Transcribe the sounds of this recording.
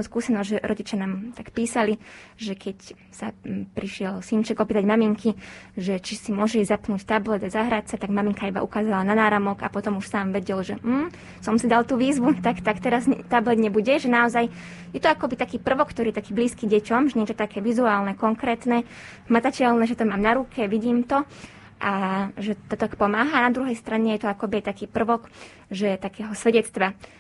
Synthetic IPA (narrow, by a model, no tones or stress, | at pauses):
uskuːsɛnɔzɟʒɛɾʔɔɟit͡ʃɪanaːmt̪akpiːsaliʒɛkʰɛc | sapɾiʃɪɛlsint͡ʃɛɡɔpiːt̪aɟmamiŋkʰiʒɛt͡ʃisimʊɔʒɛizapnuːct̪ablɛd̪azaɦɾacsat̪aɡmamiŋkaiba̰ʔukaːzalananaːɾamɔɡa̰pɔt̪ɔmuʃsaːmʋɛɟɛlʒɛm̩ | sɔmsid̪alˠt̪uːʋiːzʋut̪akt̪akt̪ɛɾazɲt̪ablɛd̪ɲɛbuɟɛʒɛnaɔzaj | jɛt̪ɔakɔbit̪akiːpr̩ʋɔkːt̪ɔɾiːjɛt̪akiːbliːskiːɟɛcɔmʒɛɲɛt͡ʃɔt̪akɛːʋizuaːlnɛkɔŋkɾɛːt̪nɛ | ɦmat̪acɛlnɛʒɛt̪ɔmaːmnaɾukʰɛʋiɟiːmt̪ɔ | ʔaʒɛt̪ɔt̪akpɔmaːɦanad̪ɾuɦɛjst̪ɾaɲɛjɛt̪ɔakɔbiajt̪akiːpr̩ʋɔk | ʒɛt̪akɛːɦɔsʋɛɟɛt͡st̪ʋa